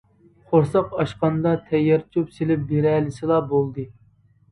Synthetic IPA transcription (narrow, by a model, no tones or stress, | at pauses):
χʰoɾsɑqɑʃqɑnd̪ɑt̪ʰɛjːɛɾt͡ʃʰupselɪp̚beɾɛlɪsɨlˠɑbolˠd̪ɨ